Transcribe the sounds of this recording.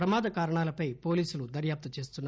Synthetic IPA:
ɾɐmaːd̪ɐkaːɾɐɳaːlɐpɐjpo̞ːliːsulud̪ɐɾjaːp̚t̪ɐt͡ʃe̞ːst̪unː

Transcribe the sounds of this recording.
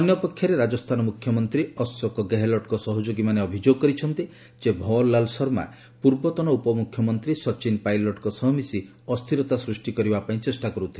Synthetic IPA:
ɔnjɔpekʰjaɾeɾad͡ʒɔst̪ʰanɔmukʰjɔmɔnt̪ɾiɔsːɔkɔɡeɦelɔʈkɔsɔɦɔd͡ʒoɡimaneɔbʱid͡ʒoɡɔkɔɾit͡ʃʰɔnt̪i | d͡ʒebʱɔlːalsɔɾma̰ | puɾbɔt̪ɔnɔupɔmukʰjɔmɔnt̪ɾisɔt͡ʃinpajlɔʈkɔsɔɦmisi | ɔst̪ʰiɾɔt̪asɾusʈikɔɾibapaĩt͡ʃesʈakɔɾut̪ʰile

